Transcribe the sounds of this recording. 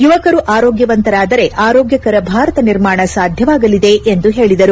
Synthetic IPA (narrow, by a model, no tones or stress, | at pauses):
juʋɐkɐɾuʔaːɾoːɡjɐʋɐnt̪ɐɾaːd̪ɐɾe̞ʔaːɾoːɡjɐkɐɾɐbʱaːɾɐt̪ɐniɾmaːɳɐsaːd̪ʱjɐʋaːɡɐlid̪e̞ʔend̪uɦe̞ːɭid̪ɐɾu